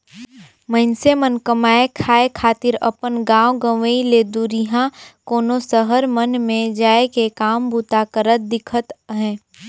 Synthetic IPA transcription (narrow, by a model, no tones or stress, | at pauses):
məɪnsemənkəmaːekʰaːekʰaːt̪ɪɾɐ̰pənɡãːwɡə̃ʋəileːd̪uɾiɦãkoːnosəɦəɾmənmẽd͡ʒaːekekaːmbut̪aːkəɾət̪̚d̪ɪkʰət̪ɦɛ̃ː